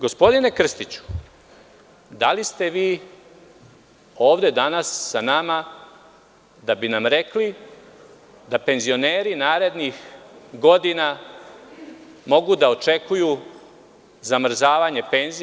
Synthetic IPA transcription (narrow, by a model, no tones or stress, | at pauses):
ɡo̞spo̞d̪ine̞kr̩st̪it͡ɕu̥ | d̪alist̪eʋiː | o̞ːʋd̪e̞d̪anasːanama | d̪abinamɾe̞kli | d̪ape̞nzio̞neːɾinaːɾe̞d̪nixɡo̞d̪ina | mo̞ɡud̪ao̞t͡ʃe̞kuju | zamr̩zaːʋaɲe̞pe̞nzi